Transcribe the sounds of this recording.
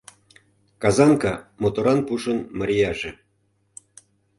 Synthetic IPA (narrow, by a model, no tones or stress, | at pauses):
kɑzɑnkɑmot̪oɾɑnpuʃɤ̆nməɾʲijɑʒĕ